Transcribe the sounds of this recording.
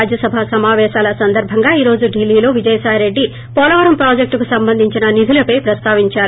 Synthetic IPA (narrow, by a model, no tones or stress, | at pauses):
d͡ʒjɐsɐbʱaːsɐmaːʋɛːʃaːlɐsɐnd̪ɐɾbʱɐŋɡaːiːɾo̞ːd͡ʒuɖilːiːlo̞ːʋid͡ʒɐjɐsaːjɾe̞ɖːi | pɔːlɐʋɐɾɐmpɾaːd͡ʒek̚ʈkusɐmbɐnd̪ʱiɲt͡ʃinɐnid̪ʱulɐpɐjpɾɐst̪aːʋiɲt͡ʃaːɾu